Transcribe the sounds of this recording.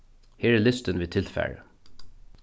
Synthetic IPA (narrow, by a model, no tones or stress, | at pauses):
heːɹelɪst̪ənʋiːt̪ʰɪlfæ̰ːɹə